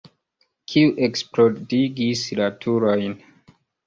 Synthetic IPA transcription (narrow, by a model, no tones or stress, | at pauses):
kʰiuʔeksplodiɡislatʰuɾojn